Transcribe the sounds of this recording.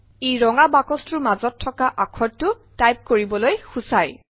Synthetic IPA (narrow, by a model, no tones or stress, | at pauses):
ejɹɔŋabakɔstʊmazɔtʰːɔkaʔakʰɔdtːʊ | tajp̚koɹibɔlojxusaj